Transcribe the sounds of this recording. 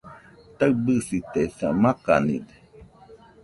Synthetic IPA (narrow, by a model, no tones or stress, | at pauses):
t̪aɨbɨsit̪esamaka̰nḭde̥